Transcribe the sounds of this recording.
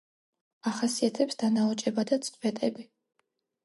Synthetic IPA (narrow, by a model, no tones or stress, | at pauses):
aχasiat̪ʰɛpsd̪anaɔt͡ʃʼɛbad̪at̪sʼbɛt̪ʼɛbi